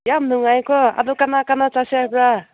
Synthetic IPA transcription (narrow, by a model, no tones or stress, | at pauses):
jamnuŋajkɔa̰d̪ɔkanakanat͡sasepɾa